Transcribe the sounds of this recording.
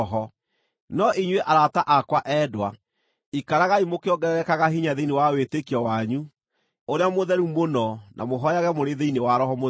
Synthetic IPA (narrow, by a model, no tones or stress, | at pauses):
ɔɦɔ | nɔʔiɲweʔaɾataʔakwaʔɛːdwa | ikaɾaɣaimokeɔɡɛɛkaɣahiɲaðeinewawetekiɔwaɲu | oɾeamoðɛɾumonɔnʔa̰moɦɔjaɣɛmoɾeðeinewaɾɔɦɔmo